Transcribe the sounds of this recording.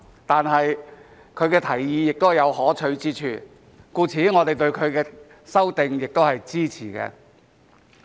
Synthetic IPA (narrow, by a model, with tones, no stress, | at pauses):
t̪aː˨nɦɐ˨j | kʰɵ˨˧ɥkɛː˧t̪ʰɐ˨˩jːiː˨˧jɪ˨k̚t̪o˥hjɐ˨˧whɔː˨˥t͡ʃʰɵ˨˧ɥt͡siː˥t͡ʃʰy̰ː˨˩ | kuː˧t͡sʰiː˨˥ŋɔː˨˧t̪e˨jt̪ɵ˧ɥkʰɵ˨˧ɥkɛː˧ | sɐ˥wt̪ɪ˨ŋjɪ˨k̚t̪o˥whɐ˨jt͡siː˥t͡sʰiː˨˩kɛ̰ː˧